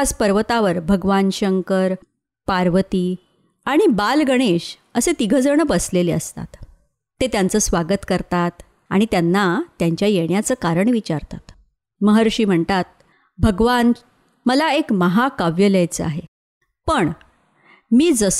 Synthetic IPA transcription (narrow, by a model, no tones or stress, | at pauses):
d͡zpəɾʋət̪aʋəɾbʱəɡʋanɕəŋkəɾ | paɾʋət̪iː | aɽ̃ibalɡəɽ̃eɕ | əset̪iɡʱəd͡zəɳəbəsleleə̰st̪a̰t̪ː | et̪jant͡səːsʋaɡət̪kəɾt̪at̪ | aɽ̃it̪janːat̪jaɲt͡ɕjajeɳjat͡səːkaɾəɳʋit͡ɕaɾt̪a̰t̪ | məɦəɾɕiːm̤əɳt̪at̪̚ | bʱəɡʋan | məlaekməɦakaʋjəlajt͡səa̰ɦe | pəɳ | miːd͡zəs